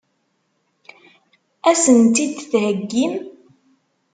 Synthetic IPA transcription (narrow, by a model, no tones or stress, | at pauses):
æsənt̪id̪θhəɡːim